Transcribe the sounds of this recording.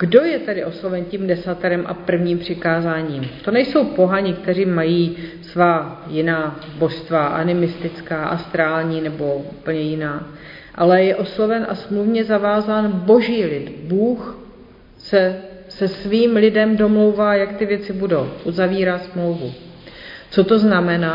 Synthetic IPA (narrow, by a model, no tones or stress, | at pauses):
ɡ̥do̞jɛt̪ɛdɪʔo̞slo̞vɛncimdɛsat̪ɛɾɛmʔa̰pr̩vɲiːmpr̥ɪkaːzaːɲiːmt̪o̞nɛjso̞wpo̞ɦaɲɪkt̪ɛriːmːajiːsvaːjɪnaːbo̞ʃst̪vaʔa̰nɪmɪst̪ɪt͡skaːʔast̪ɾaːlɲiːnɛbo̞upl̩ɲɛjɪnaː | ʔalɛjɛʔo̞slo̞vɛnʔasmluvɲɛzavaːzaːnbo̞ʒiːlɪt̪buːx | sɛsɛsviːmlɪdɛmdo̞mlo̞wvaːjakt̪ɪvjɛt͡sɪbudo̞wʔuzaviːɾaːsmlowvu | t͡so̞t̪o̞znamɛnaː